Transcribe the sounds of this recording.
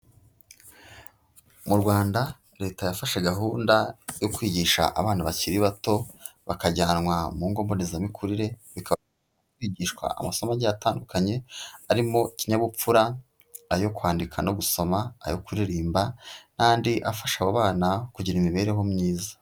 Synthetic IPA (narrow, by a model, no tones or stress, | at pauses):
muɾɡwaːnda | ɾe̞ːtajafaʃeɡaɦuːndajokwiːɟiːʃa̰ʔa̰βaːnaβaciɾiβato̞βakaɟaːnwamuːŋɡo̞ːmbo̞nezamikʰuɾiɾe̞βikʰa | kwiːɟiːʃkwa̰ʔa̰maso̞maɟaataːndukʰaɲe̞aɾimo̞ciɲaβup͡fuɾaː | jo̞kwaːndikʰanoɡuso̞maa̰jokuɾiɾiːmbanaːndiʔafaʃaβaβaːnakuɟiɾimiβe̞ɾeɦo̞mɲiːzḁ